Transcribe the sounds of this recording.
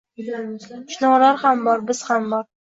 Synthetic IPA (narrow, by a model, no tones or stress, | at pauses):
ʊ̥ʃnɒʁlaɾhambɒɾbɪz̥hambɒɾ